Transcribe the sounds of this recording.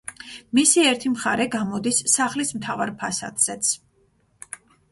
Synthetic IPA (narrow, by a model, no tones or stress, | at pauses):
misiɛɾt̪ʰimχaɾɛɡamɔd̪isːaχlismt̪ʰavaɾpʰasa̰d̪̥z̥ɛt̪sʰ